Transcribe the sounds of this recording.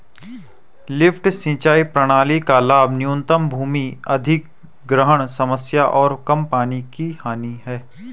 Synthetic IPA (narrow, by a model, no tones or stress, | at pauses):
lɪfʰʈsɪ̃ːt͡ʃaːipɾəɽ̃aːlikalaːbʱnɪjũːnt̪əmbʱuːmiɐd̪ʱɪk | ɡɾəɦəɽ̃sɐməsjaʔɔːɾkɐmpaːnikihaːniɦɛː